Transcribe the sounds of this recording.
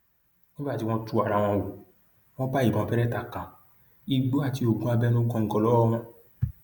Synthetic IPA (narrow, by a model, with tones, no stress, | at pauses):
ni˦ba˦˨ti˧w̃ɔ̃˧tu˨˦a˨ɾa˧w̃ɔ̃˧wu˨ | w̃ɔ̃˦ba˦i˨bɔ̃˨˧˨pɛ˦ɾɛ˦ta˧kã˨ | i˧ɡ͡bo˦a˦˨ti˧o˨ɡũ˦a˧bɛ˦nõ˦ɡɔ̃˧ŋ̩˦ɡɔ˧lɔ˦ɔ˦w̃ɔ̃˧